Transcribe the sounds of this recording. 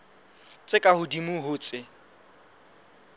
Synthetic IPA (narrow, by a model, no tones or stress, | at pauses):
t͡sʼɪkʼahʊdimʊɦʊːt͡sʼɪ